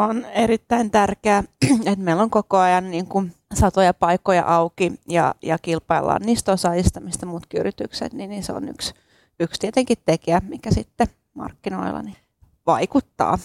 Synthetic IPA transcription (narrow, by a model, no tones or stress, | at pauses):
oneɾit̪ːæint̪ærkeːet̪meilːoŋkokoɑjɑnniːŋkunsɑt̪ojɑpɑikojɑ̰ʔɑukijɑ̰jɑkilpɑilːɑ̰ːnniːst̪osɑist̪ɑmist̪jɑmuːt̪kiyrit̪yksḛt̪niniseo̰ny̰ks | ykst̪iet̪eŋkit̪t̪ːekiæmikæsit̪ːe | mɑ̰rkːino̰ilːɑ̰ni | ʋɑikut̪ːɑ̰ː